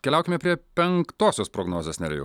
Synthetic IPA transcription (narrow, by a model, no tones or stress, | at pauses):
kʲɛlʲæʊkʲɪmʲɛpʲɾʲiɛpʲɛŋkt̪oːsʲoːspɾoːɡnoːzʲeːsnʲɛ̰ɾʲɛ̰jʊ̰